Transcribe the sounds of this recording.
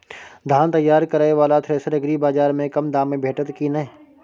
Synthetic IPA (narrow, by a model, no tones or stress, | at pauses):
d̪ʱaːnt̪əjːaːɾkəɾaːeʋaːlat̪ʰɾeːsəɾɐɡɾibaːd͡ʒaːɾmẽkɐmd̪aːmːẽbʱeːʈət̪kinɐe